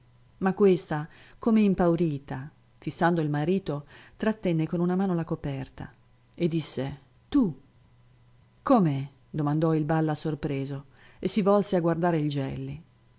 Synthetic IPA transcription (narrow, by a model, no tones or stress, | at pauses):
makːwest̪akomeimpawɾiːt̪a | fisːand̪oilmaɾiːt̪ot̪ɾat̪ːɛnːekonunamaːnolakopɛrt̪a̰ | ed̪ːisːe | t̪u | kome | d̪omand̪ɔilbalːasorpɾeːzo | esːivɔlseaɡward̪aːɾeild͡ʒɛ̰lːi